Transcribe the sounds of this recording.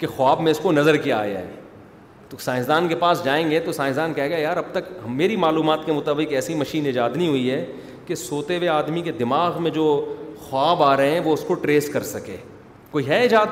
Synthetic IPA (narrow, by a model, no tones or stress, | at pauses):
kexʊaːbmẽʊskonɐzəɾkija̰ːja̰ɦɛ̰ː | t̪osaːɪ̃sd̪aːnkepaːsd͡ʒaːẽːŋɡet̪osãːɪ̃sd̪aːnkɛɦeːɡajaːɾɐb̚t̪ɐkmeːɾimaːluːmaːt̪kemʊt̪aːbɪkɛːsimɐʃiːnɪd͡ʒaːd̪niɦʊiɦɛː | kesoːt̪eʋeaːd̪miked̪ɪmaːɣmẽd͡ʒoːxwaːbaːɾɐɦeɛ̃ʋoʊskoʈɾeːskɐɾsɐkḛː | koːiɦɛɪd͡ʒaːd̪